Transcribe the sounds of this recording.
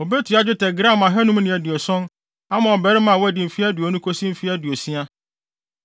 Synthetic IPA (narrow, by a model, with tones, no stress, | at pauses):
o˨be˦tʰu˨a˦d͡ʑᶣɪ˦tʰɛ˨ɡɾã˦˨mã˨ɦɛ˦nũ˦mnɪ̃˨æ˨dɪ˨ɔ˨sɔ̃˦n | a˦mã˨ɔ˨bɛ˨ɾɪ˦mã˨wɔ˦æ˨dɪ˨m̩˨fi˦æ˦du˨ɔ˨nũ˦kʰo˦sĩ˦m̩˨fi˦æ˦du˨o˨si˦a˦